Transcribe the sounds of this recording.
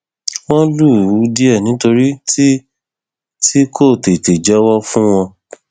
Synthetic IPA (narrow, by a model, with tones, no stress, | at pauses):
w̃ɔ̃˦lu˦˨u˨˦di˦ɛ˦˨nĩ˨˦to˧ɾi˦tʰi˦ | ti˦kʰo˦˨te˨te˨d͡ʒɛ˨˦wɔ˦fũ˦w̃ɔ̃˧